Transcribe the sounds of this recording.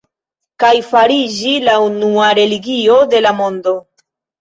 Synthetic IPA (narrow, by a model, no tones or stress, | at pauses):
kajfaɾid͡ʒilaunuaɾe̞liɡio̞de̞lamo̞ndo̞